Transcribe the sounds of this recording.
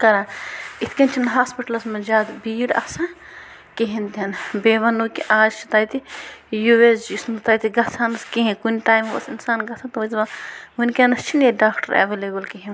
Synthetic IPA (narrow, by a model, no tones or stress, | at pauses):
kɐɾait̪ʰkʲɐnt͡ʃʰinɦaːspiʈɐlɐsmɐd͡ʒaːd̪biːɽɐ̰sãn | kiɦĩnt̪ʲɐnbeːʋɐnuːkiʔaːd͡ʒt͡ʃʰi̥t̪aːjt̪ijues̬d͡ʒismɐt̪aːjt̪iɡɐsʰanɐskiɦĩkunʲʈaːjmʋɐ̰sinsaːnɡɐsʰɐnt̪ʋɐzʋɐɦunʲkenɐst͡ʃʰineɖaːkʈɐɾɐ̰ʋeleːbɐlkiɦĩ